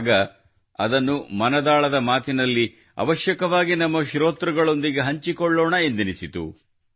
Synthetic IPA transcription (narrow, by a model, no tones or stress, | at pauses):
ɡɐ | ɐ̰d̪ɐnːumɐnɐd̪aːɭɐd̪ɐmaːt̪inɐlːi | ɐ̰ʋɐʃjɐkɐʋaːɡinɐmːɐʃɾoːt̪ɾɐɡɐɭo̞nd̪iɡe̞ɦɐɲt͡ʃikɔɭːɔːɳɐend̪inisit̪ṵ